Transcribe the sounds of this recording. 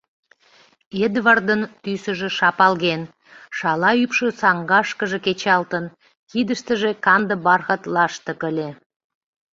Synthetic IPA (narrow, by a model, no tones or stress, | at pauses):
ed̪vɑrd̪ənt̪ysə̆ʒĕʃɑpɑlɣen | ʃɑlɑypʃəsɑŋɡɑʃkəʒe̽ket͡ɕɑlt̪ən | kid̪əʃt̪əʒe̽kɑnd̪əbɑrxət̪lɑʃt̪ə̆kəlʲe